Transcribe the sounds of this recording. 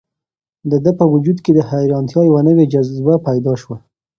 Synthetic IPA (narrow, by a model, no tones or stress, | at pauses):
d̪əd̪əpəwʊd͡ʒud̪ked̪əhajɾɑnt̪jɑjawanəwed͡ʒazbapajd̪ɑʃwa